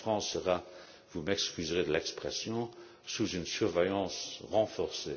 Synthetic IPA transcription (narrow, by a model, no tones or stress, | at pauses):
fχɑ̃ːsːəʁa | vumɛkskʲyzʁed̪əlɛkspχɛsjɔ̃ | suzynsyʁvɛjɑ̃ːsʁɑ̃fɔʁse